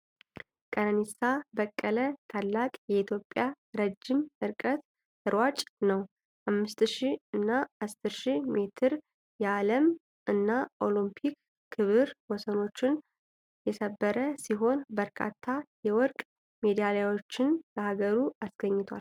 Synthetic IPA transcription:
kʼənənisabəkʼːələt̪ʰalːakʼjɛit̪ʰjo̞pʼːja | ɾəd͡ʒːimɨɾkʼət̪ | ɨɾwat͡ʃʼnəw | hamːɨst̪ʃiɨnːaʔast̪ɨʃime̞t̪ʰɨɾ | jɛaləm | ɨnːaʔo̞limpʰikʰː | ɨβɨɾwɔsəno̞t͡ʃːɪn | jɛsəbːəɾəsiɦo̞nbəɾkʰa̰t̪ʰːajɛwɔɾkʼ | me̞d̪ijalajwo̞t͡ʃːɪnbəhaɡəɾuasɡəɲːɪt̪ʰʷa̰l

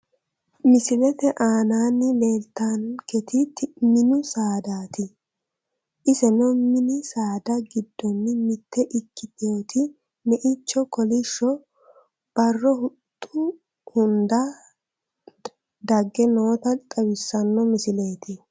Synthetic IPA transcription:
mɪsɪlɛt̪ɛʔaːnaːnːɪle̞ːlt̪aːnkɛt̪ɪtmɪnʊsaːd̪aːt̪ɪ | ʔɪsɛnɔmɪnɪsaːd̪ɐɡɪd̪ːɔnːɪmɪt̪ːɛʔɪkːɪt̪ɪjoːt̪ɪ | nɛʔɪt͡ʃːɔkɔlɪʃːɔ | b̥ɐrːɔhʊt̪ʼːʊ | hʊnd̪a | d̪ɐɡːɛno̞ːt̪ɐt̪ʼɐwɪsːɐnːɔmɪsɪleːt̪ɪ

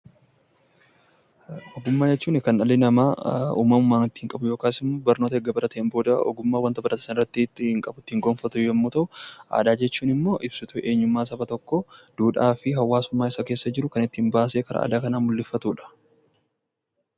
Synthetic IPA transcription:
ɔɡʊmːaːd͡ʒɛt͡ʃːuːnɪkɐnɐlɪnɐmaːṵːmːɐmʊmːaːnɪt̪ːɪ̥hɪŋkʼɐbʊjo̞ːkaːsɪmːoːbɐɾno̞ːt̪ɐɛɡːɐbɐɾɐt̪eːmbo̞ːd̪ɐɔ̰ɡʊmːaːwɐnt̪ɐbɐɾɐt̪ɐ̥sɐnɪrːɐt̪ːɪt̪ːɪhɪŋkʼɐbʊt̪ːɪhɪŋɡonfɐt̪ʊjɛmːuːt̪ɐʔʊʔa̰ːd̪aːd͡ʒɛt͡ʃːuːnɪmːo̞ːʔɪb̥sʊt̪ʊʔe̞ːɲːʊmːaːs̬ɐbɐt̪ɔkːɔd̪̥uːᶑaːfɪɦɐwːaːsʊmːaːɪsɐke̞ːsːɐd͡ʒɪɾʊkɐnɪt̪ːɪhɪmbaːse̞ːkɐɾɐ̰a̰ːd̪aːkɐnaːmʊlːɪfːɐt̪uːᶑɐ̥

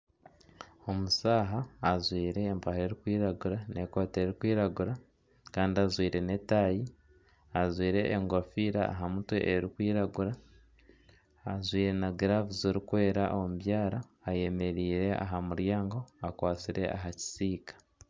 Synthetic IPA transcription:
o̞musaːɦaːzwiːɾe̞ːmpahe̞ːɾikwiːɾaɡuɾane̞ko̞ːte̞ɾikwiːɾaɡuɾa | kaːndiazwiːɾe̞ne̞taji | azwiːɾe̞ʔːŋɡofiːɾa̰ːɦamutwḛʔeɾikwiːɾaɡuɾa | zwiːɾe̞naɡiɾavuziɾikwe̞ːɾaʔo̞muβjaːɾaːje̞me̞ɾiːɾe̞a̰ɦamuɾjaːŋɡo̞akwaːt͡siɾʔe̞̰ʔa̰ɦaci̥siːkḁ

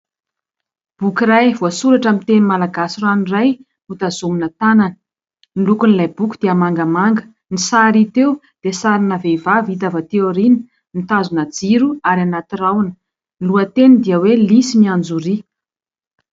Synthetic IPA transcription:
b̥ukiɾajv̥uasuɾaʈ͡ʂamint̪enimalaɡasiraniraj | ut̪azuminət̪ananə̥ | nilukunilajbuku̥d̪̥eamaŋɡamaŋɡə̥ | nisaɾit̪ew | d̪̥esaɾinəvevavit̪̬avat̪eoɾinə̥ | nit̪azunad͡ziɾuaɾianat̪irawnə̥ | nluət̪enid̪iəwelisimiand͡zuɾi

